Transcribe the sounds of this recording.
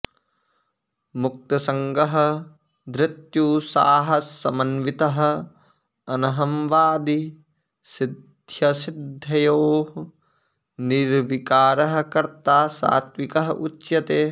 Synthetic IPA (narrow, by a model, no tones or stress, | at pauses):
muk̚t̪ɐsɐŋɡɐɦɐ̆ | d̪ɾɪt̪juːsa̰ːɦɐsːɐmɐnʋit̪ɐɦɐ̆ | ɐnɐɦɐmʋaːd̪i | sid̪ʱjɐsid̪ʱːɐjoː | niɾʋikaːɾɐɦɐ̆kɐɾt̪aːsa̰ːt̪ʋikɐɦɐʔutːʃjɐt̪eː